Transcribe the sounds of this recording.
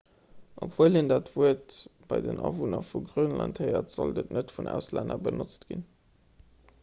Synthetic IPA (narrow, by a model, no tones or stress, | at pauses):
ʔokv̥əlindaːtvuətb̥ɑɪdənʔɑvunəfuɡʁəʊnlɑnthəɪɐtz̥ɑldətnətfunʔæ̰ʊslændɐbənʔot͡stɡ̥in